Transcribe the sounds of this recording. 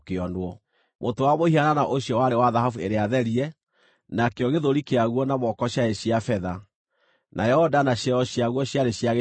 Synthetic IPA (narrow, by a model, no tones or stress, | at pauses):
keɔnwɔ | mʔotowamohiananaʔoɕjɔwaɾewaðaɦafueɾeaðɛɾiɛ | nakeɔɣeðoɾikeaɣwɔnamɔkɔɕjaeɕiafɛða | nʔa̰jɛhɔdanaɕjɛɔɕjaɣwɔɕjaɾeɕjaɣe